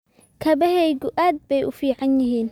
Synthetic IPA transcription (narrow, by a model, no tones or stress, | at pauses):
kʰɐbɐhɛjɡʊʔaːd̪̚bɛjʔʊfiːʕanjɪɦiːn